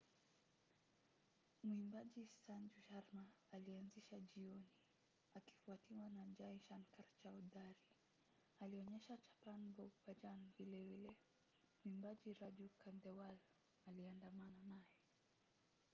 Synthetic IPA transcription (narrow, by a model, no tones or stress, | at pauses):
mwimbaʄisand͡ʒuʃaɾmaːlianziʃaʄiɔni | aki̥fuatiwanad͡ʒaiʃankaɾt͡ʃaudaɾi | aliɔɲɛʃat͡ʃḁpanbɔɡpad͡ʒanvilɛvilɛ | muimbaʄiɾaʄukandɛwalɔ | aliandamananajɛ